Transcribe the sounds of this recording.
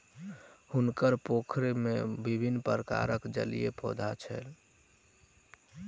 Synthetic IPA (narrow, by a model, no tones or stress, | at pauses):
hunkəɾpokʰɾemebibʱinːpəɾəka̰ɾəkd͡ʒə̰lijepɔd̪ʱat͡ʃʰɛ̰l